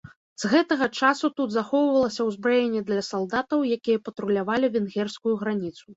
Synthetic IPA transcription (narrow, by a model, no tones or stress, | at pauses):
z̥ɣɛt̪ɐɣɐt͡ʂasut̪ud̪zaxɔwvɐlˠɐsʲɐwzbɾajenʲːɛd̪lʲɐsalˠd̪at̪ɐwjakʲijɐpɐt̪ɾulʲavalʲivʲɛnɣʲɛrskujuɣɾanʲit̪su